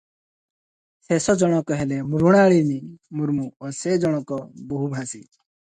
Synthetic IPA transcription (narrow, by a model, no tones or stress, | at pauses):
sesɔd͡ʒɔɽ̃ɔkɔɦɛlɛmuɾuɽ̃aɭinimuɾmuɔsed͡ʒɔɽ̃ɔkɔboɦubʱasḭ